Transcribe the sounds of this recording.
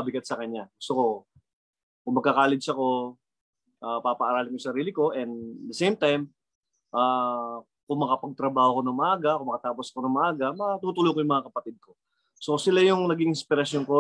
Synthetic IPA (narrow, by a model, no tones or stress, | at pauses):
ɐbɪɡɐt̪̚sɐkɐɲːaɡʊst̪oko̞ | kʊŋmɐɡkɐkaːlɪd̪ʃɐko̞ | ʔaːpapɐʔɐɾaːlɪŋjʊsɐɾiːlɪko̞ʔɛnd̪d̪ɐsejmt̪ajm | ʔaː | kʊŋmɐkɐpɐɡ̚t̪ɾɐbaːhokonɐŋmɐʔaːɡɐkoʊŋmɐkɐt̪aːposɐkonɐŋmɐʔaːɡɐmɐt̪uːt̪ulojkojʊŋmɐŋakɐpɐt̪ɪd̪̚ko̞ | so̞sɪlajʊŋnɐɡɪŋʔɪspɪɾɐsjonko